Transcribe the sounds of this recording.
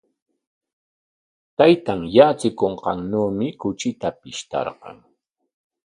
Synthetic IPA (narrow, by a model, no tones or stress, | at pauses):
t̪ajt̪aŋjat͡sɪkoɴqɑŋnuːmɪkʊt͡ʃɪt̪apɪʃt̪ɑ̰ɾqɑ̰ŋ